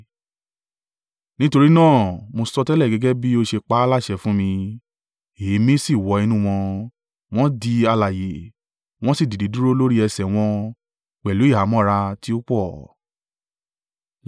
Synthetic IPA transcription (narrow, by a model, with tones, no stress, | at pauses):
nĩ˦to˧ɾi˦nãː˦˨mo˧sɔ˧tɛ˦lɛ˦˨ɡɛ˨˧ɡɛ˦bi˦o˧ʃe˧k͡pa˦la˦˨ʃɛ˧˨fũ˦mĩ˧ | e˨˦mĩ˦si˦˨wɔ˨˦i˧nũ˦w̃ɔ̃˧ | w̃ɔ̃˦di˧a˧la˨je˨ | w̃ɔ̃˦si˦˨di˨di˨˦du˦ɾo˦lo˦ɾi˦ɛ˧sɛ˨w̃ɔ̃˧ | k͡pɛ˨lu˨˦i˦˨ɦa˨˦mɔ̃˦˨ɾa˧ti˦o˦k͡pɔ˦˨